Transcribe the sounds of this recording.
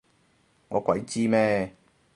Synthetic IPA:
ŋɔ˧kʷa˨i˦t͡ɕi˦mɛ˦˧˨

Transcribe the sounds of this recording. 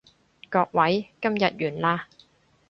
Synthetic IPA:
kɔː˧k̚wɐ˨˥jkɐ˥mjɐ˨t̚jyː˨˩nlaː˧

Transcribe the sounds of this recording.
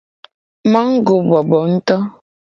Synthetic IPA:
ma˦ŋ̩˦ɡo˨bɔ˨bɔ˨n̩˦tɔ˦

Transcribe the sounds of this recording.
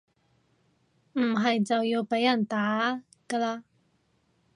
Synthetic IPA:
m̩˨˩ɦɐ˨˩jt͡sɐ˨wjiː˧wpe˨˥jɐ˨˩nt̪aː˨˥ | kə˧laː˧

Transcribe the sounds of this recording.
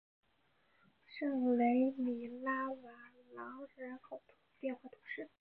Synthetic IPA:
ʂɤ˥˩ŋle˧˥ɪmi˨˩la˥wa˧˥ | lɑ˧˥ʊɻə˧˥nkʰo˨˩ʊt̪ʰpjɛ˥˧nxwa˥˩t̪ʰʊ̥˧˥ʂɻ̩˥˩

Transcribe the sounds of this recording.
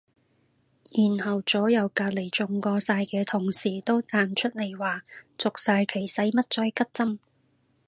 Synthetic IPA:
jiː˨˩nhɐ˨˩wt͡sɔː˨˥jɐ˨˩wkaː˧t̚le˨˩jt͡sʊ˨ŋkɔː˧saː˧jkɛː˧t̪ʰʊ˨˩ŋsiː˨˩t̪o˥wt̪aː˧nt͡ʃʰɵ˥t̚le˨˩jwaː˨˩t͡sʊ˨k̚saː˧jkʰe˨˩jsɐ˨˥jmɐ˥t̚t͡ʃɔː˧jkɐ˥t̚t͡sɐ˥m

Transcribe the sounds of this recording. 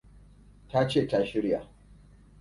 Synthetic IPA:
ta˦t͡ʃeː˦˨ta˦ʃɪ˦ɽja˨

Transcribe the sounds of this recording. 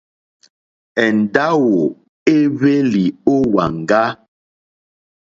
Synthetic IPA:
ɛ˨n̩˨da˦wo˨ | e˦βe˦li˨o˦wa˨ŋ˨ɡa˦

